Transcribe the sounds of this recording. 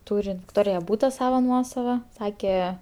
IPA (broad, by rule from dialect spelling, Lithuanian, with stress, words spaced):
ˈtuːrʲɪ ʋʲɪkˈtoːrʲɪjɛ ˈbuːtɐ ˈsɑːʋɐ ˈnuɔsɐʋɐ ˈsɑːkʲɛ